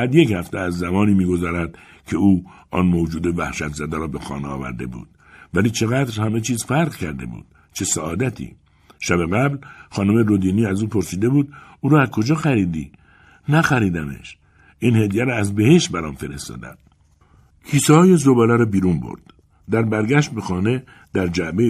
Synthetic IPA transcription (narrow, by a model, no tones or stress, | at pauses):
æd̪je̞chæft̪eæzːæmɒːniːmiːɡo̞zɒːɾæd̪̥ | cʰe̞uːɒ̰ːnmod͡ʒuːd̪evæhʃæt̪zæd̪æɾɒːbe̞xɒ̰ːneɒ̰ːvæ̰ɾd̪e̞̰bṵːd̪̥ | væliːt͡ʃʰe̞ɣæd̪ɾhæme̞t͡ʃʰiːzfæɾʁcʰæɾd̪e̞̰bṵːd̪̥ | t͡ʃʰe̞sæɒːd̪æt̪ʰḭ | ʃæbeɣæblxɒːnomeɾod̪iːniːæzuːpʰo̞ɾsiːd̪e̞buːd̪uːɾɒːæzkʰo̞d͡ʒɒːxæɾiːd̪ḭː | næxæɾiːd̪ænḛʃ | ʔiːnhe̞d̪ijæɾɔːæzbehe̞ʃt̪bæɾɒːnfe̞ɾḛst̪ɒ̰ːd̪æ̰n | kʰiːsɛhɒːje̞zobælæɾɒbiːɾunbo̰ɾd̪̥ː | æɾbæɾɡæʃt̪̚be̞xɒːne̞ | d̪̥æɾd͡ʒæʔbe